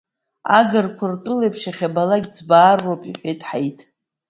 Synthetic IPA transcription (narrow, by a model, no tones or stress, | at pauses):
aɡɨrkʷʰartʼʊlejpʰʂaχʲabalaɡʲt͡sbaːrːopʼiħʷᶣejtʼħajtʼ